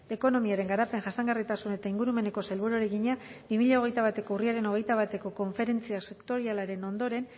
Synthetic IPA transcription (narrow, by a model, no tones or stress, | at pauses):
e̞ko̞no̞miaɾe̞ŋɡaɾape̞ŋʝasaŋɡarit̪asune̞t̪aiŋɡuɾume̞ne̞ko̞selβuɾoɾe̞ɣiɲabimiʎao̞ɣ̞e̞jt̪aβ̞at̪e̞ko̞uriaɾe̞no̞ɣ̞e̞jt̪aβ̞at̪e̞ko̞ko̞ɱfe̞ɾe̞nt͡siase̞kt̪o̞ɾialaɾe̞no̞nd̪o̞ɾe̞n